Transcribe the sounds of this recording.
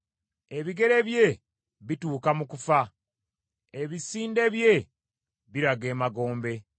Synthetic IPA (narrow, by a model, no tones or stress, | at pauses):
e̞βiɡe̞ɾe̞βje̞ | βituːkamukufa | eβisiːnde̞βje̞ | βiɾaɡe̞ːmaɡo̞ːmbe̞